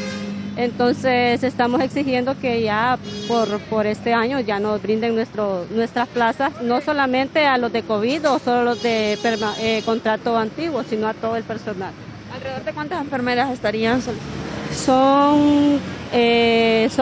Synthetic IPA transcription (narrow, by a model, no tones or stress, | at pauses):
ent̪o̞nsese̞st̪amo̞se̞ksixje̞nd̪o̞ke̞ʝapoɾpoɾe̞st̪e̞aɲo̞ʝano̞zbɾind̪e̞ŋnwest̪ɾosnwe̞st̪ɾasplasasno̞so̞lamẽ̞nt̪e̞alo̞zðe̞ko̞βiðosololo̞zd̪epeɾaeko̞nt̪ɾat̪oant̪iɣwo̞sino̞at̪o̞ðoelpe̞ɾso̞nal | alreeoɾðekwant̪aseɱfeɾmeɾasest̪aɾiansolsoŋ | es